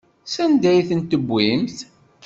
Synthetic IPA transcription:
sænd̪æjθənt̪əbʷːimθ

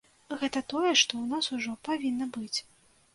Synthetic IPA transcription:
ɣɛt̪ɐt̪ɔjɛʂt̪ɔwnasuʐɔpavʲinːɐbɨt͡sʲ

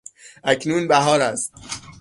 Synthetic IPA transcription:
ʔæcʰnuːnbæɦɒːɾæst̪̚

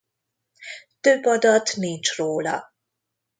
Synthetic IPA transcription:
t̪øbːɒd̪ɒt̪nint͡ʃroːlɒ̰

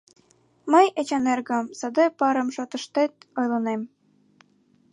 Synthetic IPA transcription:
məjet͡ɕɑnerɣə̆msɤd̪ɤpɑɾɤ̆mʃot̪ɤ̆ʃt̪et̪ojlɤ̆nem

